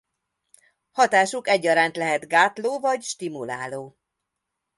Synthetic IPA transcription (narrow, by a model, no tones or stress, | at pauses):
hɒt̪aːʃukɛɟːɒɾaːnt̪lɛɦɛt̪ɡaːt̪loːvɒɟʃt̪imulaːloː